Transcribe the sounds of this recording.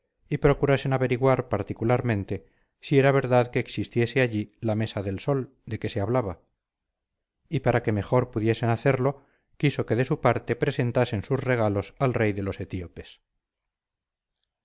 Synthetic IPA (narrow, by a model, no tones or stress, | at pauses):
ipɾo̞kuɾase̞naβe̞ɾiɣwaɾpaɾt̪ikulaɾmẽ̞nt̪e̞ | sie̞ɾaβ̞e̞ɾðaðke̞ːksist̪je̞seaʎilame̞saðe̞lso̞l | d̪e̞ke̞seaβlaβa | ipaɾake̞me̞xo̞ɾpuðje̞se̞naθe̞ɾlo̞ | kiso̞ke̞ðe̞supaɾt̪e̞pɾe̞se̞nt̪ase̞nsuzre̞ɣ̞alo̞salre̞jðe̞lo̞se̞t̪iope̞s